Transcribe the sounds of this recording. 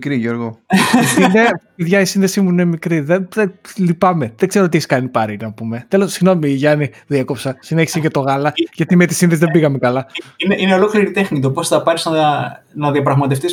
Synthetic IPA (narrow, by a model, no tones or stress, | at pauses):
kɾiʝoɾɣosiepiðʝɐisinðesimuine̞mikɾiðenðelipɐmeðeɡze̞ɾot̪̬içskɐnipɐɾinɐpume̞t̪e̞lo̞ssiɣno̞miːʝɐniðieko̞psɐsine̞çi̥seʝɐt̪o̞ɣɐlɐʝɐt̪imet̪isinðesiðebiɣɐmekɐlɐineʔineo̞lo̞kliɾit̪e̞xnit̪̬oposθɐpɐɾisnɐ | nɐðiɐpɾɐɣmɐt̪e̞ft̪is